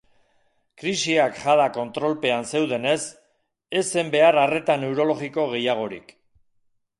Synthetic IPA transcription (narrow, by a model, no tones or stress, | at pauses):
kɾisiakʝaðako̞nt̪ɾo̞lpe̞anse̞wðe̞ne̞s | e̞se̞mbe̞aɾare̞t̪ane̞wɾo̞lo̞ɣiko̞ɣ̞e̞jaɣ̞o̞ɾḭk